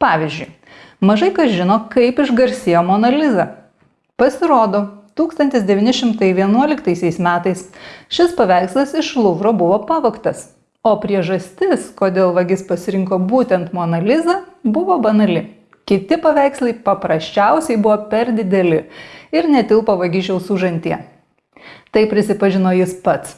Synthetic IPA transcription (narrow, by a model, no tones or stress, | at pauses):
pɑːʋʲizʲd͡ʒʲʊɪ | mɐʒɐɪkɐsʒʲɪnoːkɐɪpɪʒɡɐɾʲsʲɪjoːmoːnɐlʲɪzɐ | pɐsʲɪɾoːd̪oːt̪uːkst̪ɐnt̪ʲɪsd̪ʲɛʋʲiːnʲɪʃʲɪmt̪ɐɪʋʲiɛnuɔlʲɪkt̪ɐɪsʲɛɪsmʲæːt̪ɐɪsʃʲɪspɐʋʲæˑɪkslˠɐsɪʃlˠʊʋɾoːbʊʋoːpɑʋɐkt̪ɐs | oːpʲɾʲiɛʒɐsʲt̪ʲɪskoːd̪ʲeːlˠʋɐɡʲɪspɐsʲɪɾʲɪŋkoːbuːt̪ʲɛnt̪moɐnɐlʲɪzɐbʊʋoːbɐnɐlʲɪ | kʲɪt̪ʲɪpɐʋʲæˑɪkslˠɐɪpɐpɾɐsʲt͡ʃʲɛʊsʲɛɪbʊʋoːpʲɛɾd̪ʲɪd̪ʲɛlʲɪɪɾnʲɛt̪ʲɪlˠpoʋɐɡʲɪʒʲɛʊsuʒɐnʲt̪ʲiɛ | t̪ɐɪpʲɾʲɪsʲɪpɐʒʲɪnoːjɪspɐt̪s